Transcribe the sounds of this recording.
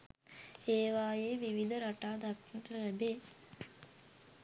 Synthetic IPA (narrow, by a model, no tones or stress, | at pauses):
eːʋaːjeːʋiʋid̪əɾaʈaːd̪akːinʈəlæbeː